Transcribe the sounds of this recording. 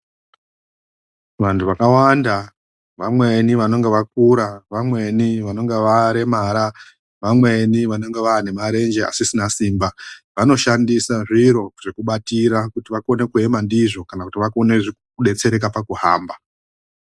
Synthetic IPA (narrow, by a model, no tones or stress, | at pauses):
ʋantʰuʋakawanda | ʋamwe̞niʋano̞ŋɡe̞ʋak̚uɾaʋamwe̞niʋano̞ŋɡeʋaɾe̞maɾa | ʋamwe̞niʋano̞ŋɡe̞ʋaːne̞maɾe̞nd͡ʒe̞a̰sisinasiːmbaʋano̞ʃandisaʐiɾo̞ʐ̥ekuɓatiɾakutiʋako̞ne̞kue̞mandiʐo̞kanakutiʋakoneʐi | kuɗe̞t͡se̞ɾe̞k̬apakuɦa̰ːmba